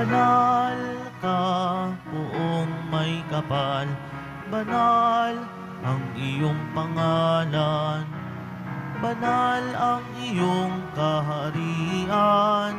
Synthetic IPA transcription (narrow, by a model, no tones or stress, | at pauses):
ɐnal | kakʊʔoŋmɐjkɐpal | bɐnal | ʔɐŋʔɪjoŋpɐŋalan | bɐnalɐŋ | ɪjoŋkɐɦɐɾiʔan